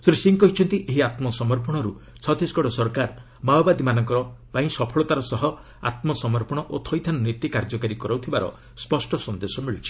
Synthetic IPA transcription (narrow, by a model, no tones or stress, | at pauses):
sɾisiŋkɔɦit͡ʃʰɔnt̪iʔeɦiat̪mɔsɔmɔɾpɔɽ̃ɔɾut͡ʃʰɔd̪ʱisɡɔɽɔsɔɾkaɾ | mawbad̪imanɔŋkɔɾɔpaĩsɔpʰɔɭɔt̪aɾɔsɔɦɔ | a̰t̪mɔsɔmɔɾpɔɽ̃ɔʔot̪ʰɔjt̪ʰanɔnit̪ikaɾd͡ʒɔkaɾikɔɾawt̪ʰibaɾɔ̰ | spɔsʈɔsɔnd̪esɔmiɭit͡ʃʰi̥